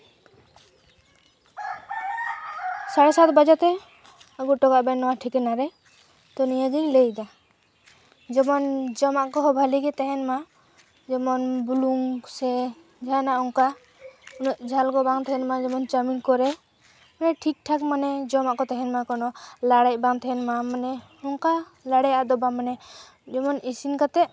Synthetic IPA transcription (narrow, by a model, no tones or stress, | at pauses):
saɽɛsat̪bad͡ʒat̪ɛ | aɡuʈɔɡaʔbɛnɔwaʈʰikɛnaɾɛ | t̪ɔnijaɡiɲlejd̪a | d͡ʒɔmɔnd͡ʒɔmaʔkɔɦbʱaliɡɛt̪ɛɦɛnma | d͡ʒɔmɔnbuluŋsɛ | d͡ʒanaʔɔŋka | unɔʔd͡ʒʱalɡɔbaŋt̪ɛɦɛnmad͡ʒɔmɔnt͡ʃaminkɔɾɛ | manɛʈʰik̚ʈʰakmanɛd͡ʒɔmaʔkɔt̪ɛɦɛnmakɔnɔlaɽac̚baŋt̪ʰɛɦɛnmamanɛhɔŋka | laɽɛjaad̪ɔbamanɛ | d͡ʒɔmɔnisinkat̪ɛʔ